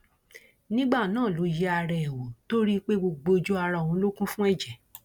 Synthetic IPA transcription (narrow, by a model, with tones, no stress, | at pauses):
nĩ˦ɡ͡ba˦˨nãː˦˨lo˨˦jɛ˦a˧ɾɛ˨ɛ˨wo˨to˦ɾi˦k͡pe˦ɡ͡bo˧ɡ͡bo˧d͡ʒo˦a˧ɾã˧˨ɔ̃˨˦lo˦kũ˦fũ˦ɛ˦˨d͡ʒɛ˨